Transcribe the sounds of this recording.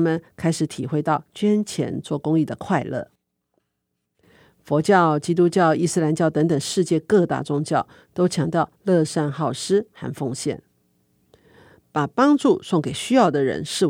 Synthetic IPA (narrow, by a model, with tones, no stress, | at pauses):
mə˨nkʰa˥ɪʂɻ̩˨˩t̪ʰi˨˩xwe˥˧ɪt̪ɑ˥˩ʊt͡ɕɥɛ˥nt͡ɕʰjɛ̰˧˥nt͡swɔ˥˩kʊ˥ŋi˥˩d̪ə˩kʰwa˥˧ɪlɤ̰˥˩ | fwɔ˧˥t͡ɕjɑ˥˩ʊt͡ɕi˥t̪̬u˥t͡ɕjɑ˥˩ʊi˥˧sɹ̩˥˧la˧˥nt͡ɕjɑ˥˩ʊt̪ɤ˧˥ŋt̪ə˨˩ŋʂɻ̩˥˧t͡ɕjɛ˥˧kɤ˥˧t̪a̰˥˧ʈ͡ʂʊ˥ŋt͡ɕjɑ˥˩ʊ | t̪o˥ʊt͡ɕʰjɑ˧˥ŋt̪jɑ˥˧ʊlɤ˥˧ʂa˥˧nxɑ˥˩ʊʂɻ̩˥xa̰˥˧nfo˥˧ŋɕjɛ̰˥˩n | pa˨˩pɑ˥ŋʈ͡ʂu˥˧sʊ˥˩ŋke˨˩ɪɕy˥jɑ˥˩ʊd̪ə˩ɻə̰˧˥nʂɻ̩˥˩w